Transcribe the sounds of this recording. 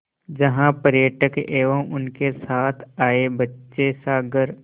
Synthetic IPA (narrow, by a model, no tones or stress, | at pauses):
d͡ʒɐɦãpəɾjəʈəkeːʋəmʊnkesaːt̪ʰaːebɐtːʃesaːɡəɾ